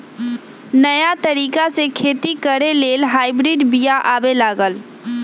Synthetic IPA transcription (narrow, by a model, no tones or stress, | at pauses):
nəjat̪əɾiːkasekʰeːt̪ikəɾeleːlɦaːɪbɾiɖbijaʔaːbelaːɡəl